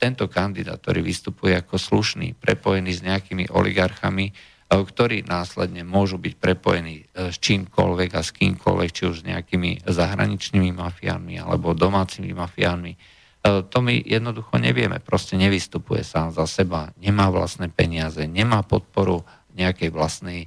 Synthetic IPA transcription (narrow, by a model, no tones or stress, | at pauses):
t̪ɛnt̪ɔkand̪id̪a̰t̪t̪ɔ̰ɾḭːʋist̪upujɛakɔsluʃnḭːpɾɛpɔjɛniːzɲɛakimḭʔɔ̰lḭɡaɾxami | kt̪ɔɾiːnʔaːslɛd̪ɲɛmʊɔʒubicpɾɛpɔ̰jɛniːst͡ʃiːmkɔ̰lʋɛɡaskḭːmkʰɔ̰lʋɛkt͡ʃiuʒzɲɛ̰akimizaɦɾa̰ɲit͡ʃniːmimafia̰ːnmialɛ̰bɔd̪ɔmaːt͡simḭmafiaːnmi | t̪ɔmḭjɛd̪nɔd̪uxɔɲɛʋɪɛmɛ̰pɾɔscɛɲɛʋist̪upujɛ̰saːmzasɛbaɲɛmaːʋla̰snɛːpɛɲɪazɛɲɛmaːpɔt̪̚pɔɾu | ɲɛakɛjʋlasnɛj